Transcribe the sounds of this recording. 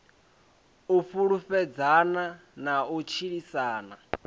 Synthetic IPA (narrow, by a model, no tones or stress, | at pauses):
ufuɺufɛd͡zananaut͡ʃʰiɺisaːna